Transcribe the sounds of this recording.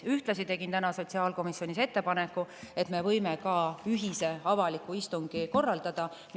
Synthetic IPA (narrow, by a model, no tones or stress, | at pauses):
yht̪lɑsit̪e̞ɡ̥int̪ænɑso̞t̪ʲsiɑːlko̞misjo̞nʲise̞t̪ːe̞pɑne̞kːˑue̞t̪me̞vɤ̞jme̞kɑyɦise̞ɑvɑlikːˑuist̪uŋɡ̥iko̞rːɑld̪̥ɑd̪̥ɑ | m